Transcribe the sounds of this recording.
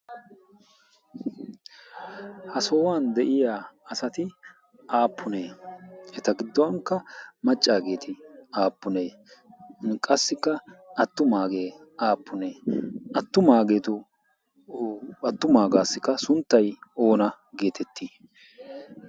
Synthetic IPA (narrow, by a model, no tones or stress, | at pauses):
hɐsoːwaːnd̪ɛʔɪjaːɐsɐt̪ɪ | ʔaːpːʊneːɛt̪ɐɡɪd̪ːɔwɐŋkːɐmɐt͡ʃʼːaːɡe̞ːt̪ʰɪaːpːʊneː | kʼɐsːɪkːɐɐt̪ːʊmaːɡe̞ː | aːpːʊneːʔɐt̪ːʊmaːɡe̞ːt̪ʊ | ɐt̪ːʊmaːɡaːsːɪkːɐsʊnt̪ːɐjo̞ːnɐ | ɡe̞ːt̪ʰɛt̪ʰːiː